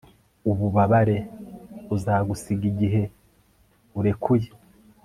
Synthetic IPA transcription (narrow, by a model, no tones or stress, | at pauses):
uβuβaβaɾe̞ | uzaːɡusiɡiɟiɦe̞ | uɾe̞kʰuje